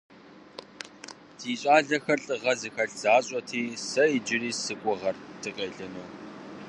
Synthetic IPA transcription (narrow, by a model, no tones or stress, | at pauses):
tʰiːɕʼaːɮɐxɐrɬʼɨʁɐzɨxɐɬz̥aːɕʼɔtʰiːsɐid͡ʒɪriːsɨkʷʼʊʁɐrtʰɨqʼeːɮɐnoː